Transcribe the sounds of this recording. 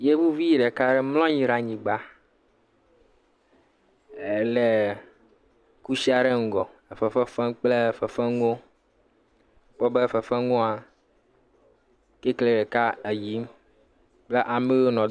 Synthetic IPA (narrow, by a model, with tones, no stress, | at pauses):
je˦vu˦vi˦˨ɖe˨ka˦ɖe˦mlɔ̃˦ɲĩ˨ɾa˨ɲĩ˨ɡ͡ba˦ | e˨le˨ | ku˦si˦a˨ɖe˦ŋ̩˨ɡɔ˨e˨fe˨fe˦fe˦mk͡ple˦˨fe˨fe˦ŋo˦ | k͡pɔ˦be˦fe˨fe˦ŋɔ̃˦a˨ | ke˦kle˨ɖe˨ka˦e˨ji˦m | k͡ple˦ʔa˨me˦wo˦nɔ̃˨